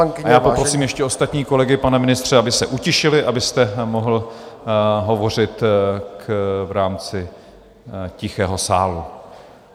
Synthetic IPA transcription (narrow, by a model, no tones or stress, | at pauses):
ŋɪajaːpopɾosiːmjɛʃcɛo̞st̪at̪ɲiːko̞lɛɡɪpanɛmɪnɪst̪r̝̥ɛabɪsɛʔucɪʃɪlɪʔabɪst̪ɛmo̞ɦl̩ | ɦo̞vo̞r̝ɪt̪kvɾaːmt͡sɪ | cɪxɛːɦo̞saːlu